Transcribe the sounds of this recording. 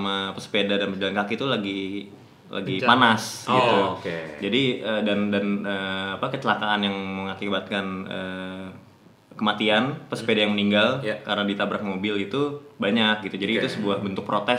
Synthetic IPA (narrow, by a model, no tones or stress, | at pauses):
amapəspedadanpəd͡ʒalankakit̪ulaɡi | lʔa̰ɡipanasɡit̪ukd͡ʒadiədandanəːapakət͡ʃəlakaːnjaŋməŋakibat̪̚kanəː | kəmat̪ianpəspedajaŋməniŋɡaljkaɾənadit̪abɾak̚mobɪlit̪ubaɲak̚ɡit̪ud͡ʒadiːt̪usəbuahbənt̪ʊk̚pɾot̪ɛ